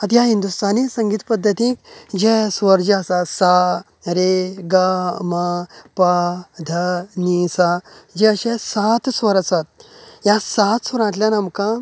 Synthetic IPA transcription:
ət̪jaɦind̪ust̪anisəŋɡiːt̪pəd̪ʱːət̪ĩːkd͡ʑɛsʋəɾd͡ʑəəsasa | ɾeɡamapad̪ʱənisad͡ʑɛəɕesat̪sʋəɾəsat̪̚jasat̪sʋəɾãt̪lʲjanamkã

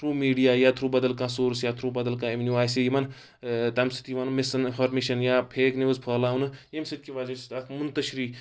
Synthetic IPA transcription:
t̪ʰɾuːmiːɖijaːjat̪ʰɾuːbɐd̪ɐlkãːsoːɾsjat̪ʰɾuːbɐd̪ɐlkãeʋnʲjuʋaːjsijimɐn | t̪ɐmsi̥t̪jiʋanmesɐnfʰɐɾmeʃɐnjapʰeːkniɐzpʰɐːlaːunɨemsit̪̚kiʋad͡ʒist̪akmunt̪ɐʃɾiː

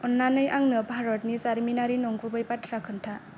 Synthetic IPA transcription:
ɔnːanɯjʔaŋnɯpaɾɔt̚nisaɾminaɾinɔŋɡubɯjpatʰɾakʰɯntʰa

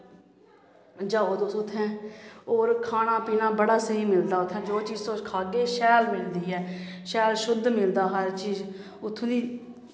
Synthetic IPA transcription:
d͡ʒaːoːd̪osʊt̪ʰːɛ̃ːoːɾkʰaːɽ̃ãːpiːnãːbəɽaːsəɦiːmɪld̪aːʊt̪ʰːɛ̃ːd͡ʒoːt͡ʃiːzsokʰaːɡeːʃɛːlmɪld̪iːɦɛːʃɛːlʃʊd̪mɪld̪aːɦəɾt͡ʃiːz | ʊt̪ʰːõːd̪iː

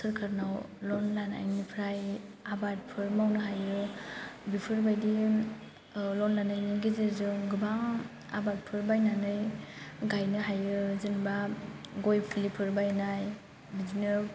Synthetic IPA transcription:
sɯɾkʰaɾnawlɔnːana̰jnipʰɾaj | abat̚pʰɯɾmawnɯɦajɯ | bipʰɯɾbajdi | lɔnːanɯjniɡizizɯɡɯbaŋ | a̰bat̚pʰɯɾbajnanɯjɡajnɯɦajɯzɯnbaɡojpʰilipʰɯɾbajnaj | bizinɯ

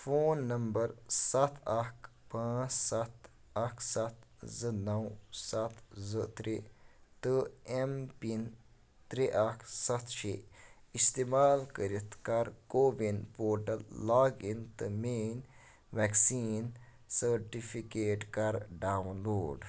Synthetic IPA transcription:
foːnːɐmbɐɾsɐt̪ʰɐkʰpãːt͡ʃsɐt̪ | ɐkʰsɐt̪zɨnɐwsɐt̪ʰzɨt̪ɾit̪ɨempin | t̪ɾiʔakʰsɐt̪ʰʃe | ist̪eːmaːlkəɾit̪kɐɾkoːʋinpoːɾʈɐlːaːɡint̪ɨmeːn | ʋɛksiːn | səɾʈipʰikeːʈkɐɾɖaːwnloːɖ

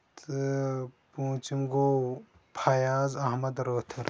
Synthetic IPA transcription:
t̪ʰɨpuːt͡ʃimɡo | pʰajaːzɐɦmɐd̪ɾəːt̪ʰɐɾ

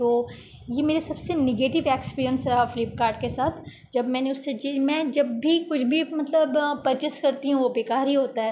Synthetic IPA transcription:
t̪oː | jemeːɾesɐbsenɪɡeːʈɪʋeːkspiːɾijənsɾafɪlɪp̚kaːɾɖkesaːt̪ʰ | d͡ʒɐbmɛ̃ːneʊsːed͡ʒemɛ̃d͡ʒɐbːʱikʊt͡ʃʰbʱimɐt̪ləbpɐɾt͡ʃɪskɐɾt̪iɦũʋobeːkaːɾɦiɦoːt̪aɦɛː

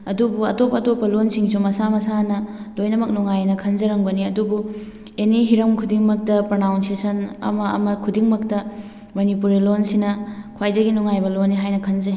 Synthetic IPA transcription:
ɐdubuɐtopːɐːtopːɐlonsiŋsumɐsamɐsanɐlojnɐmɐk̚nuŋajnɐkʰɐnzɐɾɐŋbɐniɐdubu | eniɦiɾɐmkʰudiŋmɐk̚tɐpɾɐnawnsesɐnɐ̰mɐ̰ːmɐkʰudiŋmɐktɐ | mɐnipuɾilonsinɐkʰwajdɐɡinuŋajbɐlonːiɦajnɐkʰɐnzɐ

